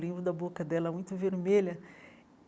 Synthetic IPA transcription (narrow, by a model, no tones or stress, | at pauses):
lẽbɾʊd̪ɐbokɐd̪ɛlɐmũj̃t̪ʊveɾmeʎɐ